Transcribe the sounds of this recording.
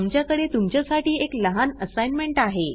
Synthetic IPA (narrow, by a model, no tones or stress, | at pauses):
mt͡ɕjakəɽet̪umt͡ɕjasaʈiːekləɦanəsajnmeɳʈaɦe